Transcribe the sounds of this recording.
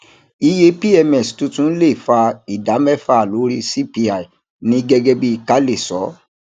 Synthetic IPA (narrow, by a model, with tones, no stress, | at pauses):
i˧je˧pi˦ɛ˧mɛ˨stũ˧tũ˦n̩˦le˦˨fa˧i˨da˨˦mɛ˦˨fa˧˦˨lo˨˦ɾi˧si˦˨pi˧a˨i˨ | nĩ˧ɡɛ˧ɡɛ˧bi˧ka˦le˦˨sɔ˨˦